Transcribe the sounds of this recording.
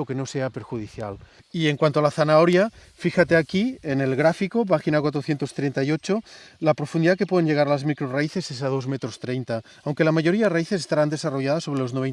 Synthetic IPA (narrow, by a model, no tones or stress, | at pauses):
okeno̞se̞apeɾxuð̞iθja̰l | ieŋkwant̪oalaθanaoɾja | fixat̪eakiene̞lɣɾafikopaxinakwat̪ɾo̞θjent̪o̞st̪ɾent̪aio̞t͡ʃolapɾo̞fund̪iðake̞pweðe̞nʝe̞ɣaɾalazmikɾoraiθe̞sesaðo̞zmet̪ɾo̞st̪ɾejnt̪a | awŋke̞lamaʝo̞ɾiaðeraiθesest̪aɾand̪esaro̞ʝaðasːoɾelo̞znoβ̞e